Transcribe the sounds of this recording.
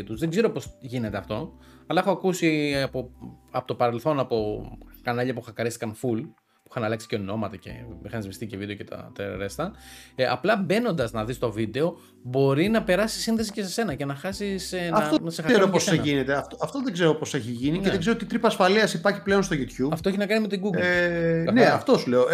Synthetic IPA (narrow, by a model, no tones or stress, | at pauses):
it̪uzðe̞ɡze̞ɾopo̞sʝine̞t̪eɐft̪o̞ | ɐlɐexoɐkusiɐpoɐpo̞t̪opɐɾe̞lθo̞nɐpo̞kɐnɐʎɐpuxɐkɐɾist̪i̥kɐnful | pui̥xɐnɐlɐksi̥ceno̞mɐt̪ɐce̞̰mixɐnizvist̪icevid̪eocet̪ɐ̰t̪eɾo̰ɾe̞st̪ɐɐ̰plɐbe̞no̞nd̪ɐznɐðist̪o̞vid̪e̞o̞ | bo̞ɾinɐpe̞ɾɐsi̥sːinðe̞sice̞s̬ese̞nɐce̞nɐxɐsisnosexɐeɾopoeseʝinet̪eɐft̪oɐft̪oðeɡzeɾopose̞çiʝinineðeɡzeoot̪it̪ɾipɐsfɐliɐsipɐɾçi̥ple̞onst̪oʝut̪çupɐft̪oeçinɐkɐnime̞t̪iɡuɡlneɐft̪osule̞o